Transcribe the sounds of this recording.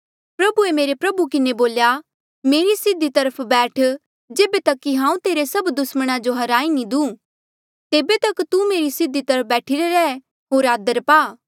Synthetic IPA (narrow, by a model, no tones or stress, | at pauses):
pɾɐbuemeːɾepɾɐbukɪneboːlja | meːɾisɪd̪ːit̪ɐɾəpʰbɛːʈʰ | d͡ʒeːbet̪ɐkːiɦãːũt̪eːɾesɐbd̪ʊsməɽ̃ad͡ʒoɦɐɾaːinĩd̪ũː | t̪eːbet̪ɐkt̪umeːɾisɪd̪it̪ɐɾəp̚ʰbɛːʈʰɪɾeɾɛː | ɦoːɾaːd̪əɾpaː